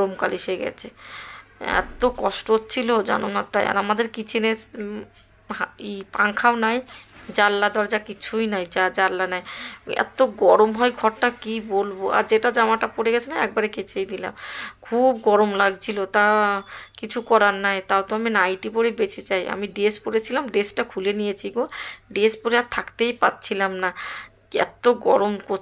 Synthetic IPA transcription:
ɾomkaliʃeɡɛ̰t͡ɕʰe | ɛ̰t̪okɔʃʈot̪ːt͡ɕʰilod͡ʑa̰nonat̪aja̰ɾamad̪eɾkit͡ɕʰine | aipaŋkʰawnajd͡ʑalːad̪ɔɾd͡ʑakit͡ɕʰujnajd͡ʑad͡ʑalːanajɛ̰t̪oɡɔɾomɦɔjɡʱɔɾʈakibolboa̰ɾd͡ʑeʈad͡ʑamaʈapoɽeɡɛt͡ɕʰenaɛk̚baɾeket͡ɕʰejd̪ila̰mkʰubɡɔɾomlaɡt͡ɕʰilot̪akit͡ɕʰukɔɾanːajt̪awt̪oaminajʈipoɽebet͡ɕʰet͡ɕajʔa̰miɖespoɾet͡ɕʰilamɖesʈakʰulenijet͡ɕʰiɡoɖespoɾeat̪ʰakt̪ejpat̪̚t͡ɕʰilamnakɛ̰t̪oɡɔɾomko

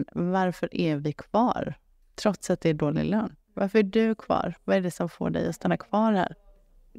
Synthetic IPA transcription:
vaɾfœɾʔæɾvɪkʰv̥ɑ̰ːɾ | t̪ʰɾɔt̪sat̪̚d̪ɛːɖoːlɪ̰løːn | vaɾfœɾæɖɵkʰvɑ̰ːɾvaɛɖɛsɔmfo̰ːɖɛ̰jɔst̪anːakʰvɑːɾhæ̰ːɾ

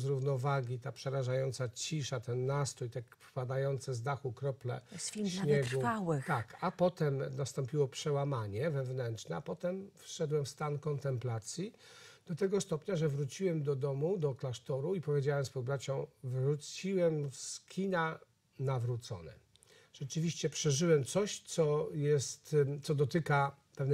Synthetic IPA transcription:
zɾuvnɔvaɡʲit̪apʂɛɾaʐajɔnt̪sat͡ɕiʂat̪ɛnːast̪ɾɔjt̪ɛ | pad̪ajɔnt̪sɛzd̪axukɾɔplɛ̰sɕɲɛɡuawt̪akapɔt̪ɛmnast̪ɔmpʲiwɔpʂɛwamaɲɛvɛvnɛntt͡ʂnɛapɔt̪ɛmfʂɛd̪wɛmfst̪ankɔnt̪ɛmplat̪sʲji | d̪̥ɔt̪ɛɡɔst̪ɔpɲaʐɛvɾut͡ɕiwɛmd̪ɔd̪ɔmud̪ɔklaʂt̪ɔɾuipɔvʲjed͡ʑawɛmspɔd̪̚bɾat͡ɕɔ̃w̃vɾut͡ɕiwɛmfskʲʰina | navɾut̪sɔ̰nɛ̰ | ʐ̥ɛt͡ʂɘvʲiɕt͡ɕɛpʂɛʐɘwɛmt̪sɔɕt̪sɔjɛst̪t̪sɔd̪ɔt̪ɘka | pɛvn

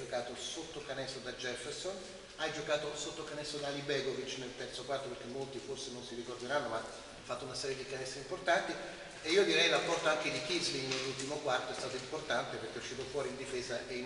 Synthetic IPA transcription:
d͡ʒokaːt̪osot̪ːokanɛst̪od̪ad͡ʒɛferson | ajd͡ʒokaːt̪osot̪ːokanɛsːod̪alibɛːɡovit͡ʃːnelt̪ɛrt̪sokwart̪operk̟emːolt̪iforsenonsiɾikord̪eɾanːoma | afːat̪ːounasɛːɾjed̪ikanɛst̪ɾeimport̪ant̪i | eiːod̪iɾɛjrapːɔrt̪oaŋk̟ed̪ik̟isliŋnelːult̪imokwart̪oɛst̪aːt̪oimport̪ant̪eperk̟euʃːiːt̪ofwɔːɾiːnd̪ifɛːzaʔei

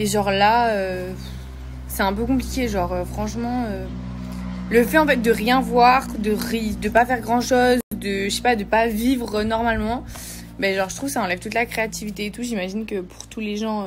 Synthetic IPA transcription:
eʒɔʁlaø | sɛɛ̃pøkɔ̃plikʲeʒɑʁøfχɑ̃ʃmɑ̃ø | ləfɛɑ̃fɛt̪̚d̪əʁjɛ̃vwaʁd̪əʁd̪əpafɛʁɡʁɑ̃ʃozd̪əʃɛ̥pad̪əpavivʁənɔʁmalmɑ̃ | bɛʒɑ̃ʁʒət̪χuvsaɑ̃lɛvt̪ut̪lakχeat̪ʰivit̪eːt̪uʒimaʒinkəpu̥ʁt̪uleʒɑ̃

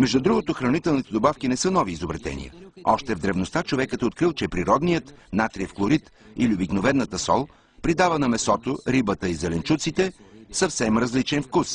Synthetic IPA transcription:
mɛʒd̪ud̪ɾuɡot̪oxɾɐnit̪ɛlˠnit̪ɛd̪obafk̟inɛsɤnɔviːzobɾɛt̪ɛ̰nʲḭjə̰ɔʃt̪ɛvd̪ɾɛvnost̪at͡ʃovɛkət̪ɛot̪̚kɾilˠt͡ʃɛpɾiɾɔd̪nijət̪nat̪ɾiəfklˠoɾit̪iliobiknovɛnːət̪əsɔ̰lˠ | pɾid̪avənɐmɛsɔt̪oɾibət̪əizɛlɛnt͡ʃut̪sit̪ɛsɐfsɛmɾɐzlit͡ʃɛnfkus

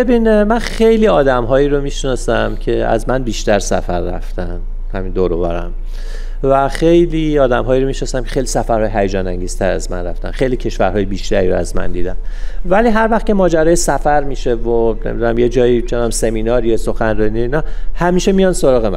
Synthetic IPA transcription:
bebinmænxejliːɒːd̪æmɦɒːiːɾomiʃnɒːsæmcʰe̞æ̰zmænbiːʃt̪æɾsæ̰fæɾːæ̰ft̪ʰæn | hæmind̪oːɾovæ̰ɾæ̰m | væxe̞jliːɒːd̪æmɦɒːjiɾo̞miːʃnɒːsæmkʰexejlisæfæɾhɒːjeɦæjed͡ʒɒːnæŋɟiːz̥t̪ʰæɾæ̰zmæ̰nɾæ̰ft̪æ̰nxe̞jliːcʰe̞ʃvæɾɦɒːjebiːʃt̪æɾiɾoæ̰zmæ̰nd̪ḭːd̪æmvæliːɦæɾvæxt̪cʲʰe̞mɒːd͡ʒæɾɒːjesæfæɾmiːʃe̞vonemid̪unæmje̞d͡ʒɒːjit͡ʃʰenæmse̞miːnɒːɾijeso̞xænɾɒnijoinɒːhæmiːʃemijɒnsoɾɒːɣemæ̰

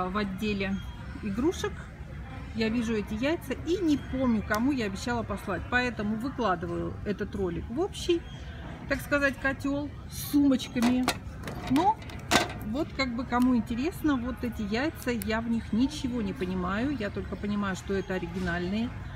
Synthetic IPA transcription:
vɐdʲːelʲɪ | ɪɡɾuʂɨk | javʲiʐʊɛtʲɪjæjt̪sɨinʲɪpo̞mnʲʊkɐmujaːbʲɪɕːalˠəpɐslˠat̚ʲpɐɛt̪əmʊvɨklˠad̪ɨvəjʊ̰ɛt̪ət̪ro̞lʲɪkvo̞pɕːɪj | t̪akskɐzatʲkɐtʲo̞lˠ | sːumət͡ɕkəmʲɪ | no | vo̞t̪kaɡ̚bɨkɐmuɪnʲtʲɪɾʲe̞snəvo̞t̪ɛtʲɪjæjt̪səjavnʲixnʲɪt͡ɕɪvo̞nʲɪpənʲɪmajʊjat̪o̞lʲkəpənʲɪmajʊʂt̪o̞ɛt̪əɐɾʲɪɡʲɪnalʲnɨjə

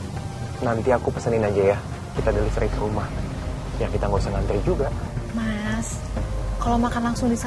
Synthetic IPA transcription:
nant̪iakupəsəninad͡ʒaja | kit̪adalisəɾikɾumah | jaŋkit̪aŋɡosaŋant̪ɾid͡ʒuɡamas | kalomakanlaŋsʊŋdisa

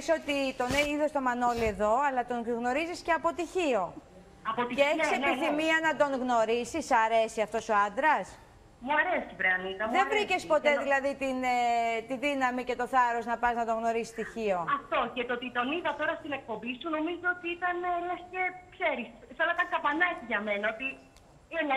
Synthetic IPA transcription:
so̞t̪it̪o̞neiðo̞st̪o̞mɐno̞lie̞ðo̞ɐlɐt̪o̞ŋɣno̞ɾizisceɐpo̞t̪içio̞ | ɐpot̪iceeçssepiθimiɐnɐd̪o̞ŋɣno̞ɾisisɐɾe̞siɐft̪o̞so̞ɐnd̪ɾɐs | muɐɾesipɾeɐniðɐmððevɾice̞spo̞t̪eðilɐðit̪inet̪iðinɐmice̞t̪o̞θɐɾo̞znɐpɐznɐd̪oɣno̞ɾisi̥st̪içio̞ɐft̪o̞cet̪ot̪it̪o̞niðɐt̪o̞ɾɐst̪ine̞k̚po̞mbisuno̞mizoot̪iit̪ɐnlɐsce̞kseɾissenɐit̪ɐŋkɐpɐnɐetiʝɐmenɐot̪i | en

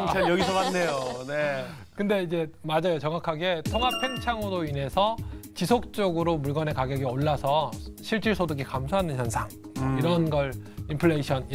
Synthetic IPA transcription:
ʌjʌɡisʰʌmanːe̞jone | kɯnde̞id͡ʑe̞mad͡ʑajot͡ɕʌŋɦakʰaɡe̞tʰoŋɦapʰe̞ŋt͡ɕʰaŋodoine̞sʰʌt͡ɕisʰok̚t͡ɕ͈ʌɡɯɾomuɭɡʌne̞kaɡjʌɡioɭːasʰʌɕʰiɭt͡ɕ͈iɭsʰodɯɡikamsʰaɦanɯnçjʌnsʰaŋiɾʌnɡʌɭimpʰɯɭːeiɕʰʌn

